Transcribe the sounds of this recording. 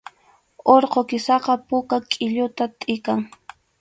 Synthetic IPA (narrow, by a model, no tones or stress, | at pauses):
oɾqokɪsɑqɑpʊkakʼɪʎʊt̪at̪ʼɪkaŋ